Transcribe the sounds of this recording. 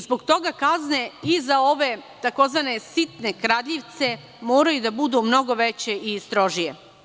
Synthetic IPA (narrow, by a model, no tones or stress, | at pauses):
zboɡt̪o̞ɡakazneizao̞ʋe̞t̪ako̞zʋanesit̪ne̞kɾad̪ʎiʋt̪se̞ | moːɾajud̪abud̪umno̞ɡo̞ʋet͡ɕe̞ʔist̪ɾo̞ʒije